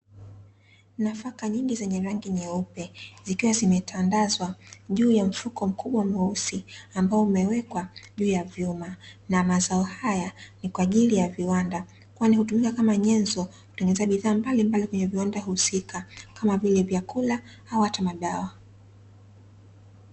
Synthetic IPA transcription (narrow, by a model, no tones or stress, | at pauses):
nafakaɲiŋɡizɛɲɛɾaŋɡiɲɛupɛzikiwazimɛtʰandazwaʄuːjam̩fukɔm̩kʰuɓwamɔusiambaɔumɛwɛkwaʄuːjavjumanamazaɔhajanikwaːʄilijaviwanda | kwanihutumikakamaɲɛnzɔ | ku̥tɛŋɡɛnɛzaɓiðaːmbalimbalikwɛɲɛviwandaɦusikʰakamavilɛvjakula | auhatamaɗawa